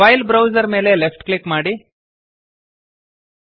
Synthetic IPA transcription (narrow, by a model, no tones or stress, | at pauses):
ajlbɾawd͡zəɾmelelefʈklikmaɽi